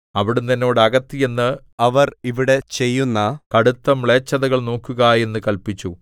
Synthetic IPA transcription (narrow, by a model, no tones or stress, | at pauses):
ɐʋiɽumt̪ɐnːo̞ːɽɨɐɣɐt̪ːije̞nːɨ | ɐʋɐriʋiɽe̞t͡ɕe̞jːunːɐkɐɽut̪ːɐmɭeːt͡ɕːɐðɐɣɐɭno̞ːkːuɣɐje̞nːɨkɐlpit͡ɕːu